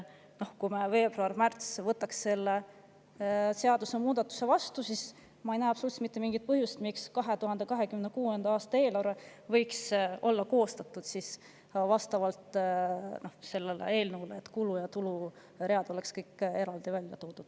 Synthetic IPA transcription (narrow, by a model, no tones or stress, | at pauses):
no̞hkumeve̞ːb̥ruɑrmært̪svɤt̪ːˑɑksːe̞lːe | se̞ɑd̪̥use̞muːd̪̥ɑt̪ːˑu̥se̞vɑst̪usis | mɑejnæːɑpsolult̪smit̪ːemiŋɡit̪̚pɤɦjusit̪mikskɑɦe̞t̪uɦɑnd̪e̞kɑɦe̞kymnekuːend̪ɑɑːst̪ɑe̞ːlɑɾevɤjkso̞lːɑko̞ːst̪ɑt̪ːˑud̪̥sis | vɑst̪ɑvɑlt̪no̞hse̞lːelḛe̞ːlnəvuleet̪ːˑkulujɑt̪ulu | reɑd̪̥o̞le̞kskɤjkːe̞ɾɑld̪̥ivælʲjɑ̰t̪oːd̪̥ud̪̥